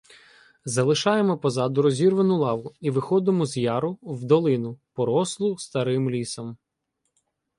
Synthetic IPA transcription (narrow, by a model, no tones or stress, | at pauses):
zɐlˠɪʃɑjemɔpɔzɑd̪ʊɾɔzʲirʋɐnʊlˠɑʋʊiʋɪxɔd̪ɪmɔzjɑɾʊwd̪ɔlˠɪnʊpɔɾɔslˠʊst̪ɐɾɪmlʲisɔm